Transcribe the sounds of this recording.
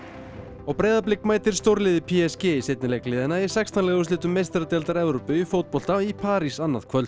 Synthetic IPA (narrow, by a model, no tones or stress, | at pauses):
ɔɣpɾeːjðaplɪkːmaːjt̪ɪɾ̥st̪owɾlɪːðɪpʰiɛscɛsejt̪nɪlejklɪːðɪnaisɛkst̪ʰanlɛːɣʏs̬lɪːt̪ʏmːejst̪ɾat̪ɛlt̪aɾɛvɾowpʏːfowt̪̚pɔl̥t̪aipʰaːɾisanːaðkʰvœlt̪